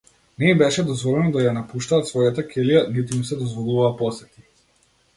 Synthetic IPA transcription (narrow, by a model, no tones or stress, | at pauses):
nɛimbɛʃɛd̪ɔzvɔlɛnɔd̪ajanapuʃt̪aːt̪svɔjat̪akʲɛlijanit̪uimsɛd̪ɔzvɔlˠuvaːpɔsɛt̪i̥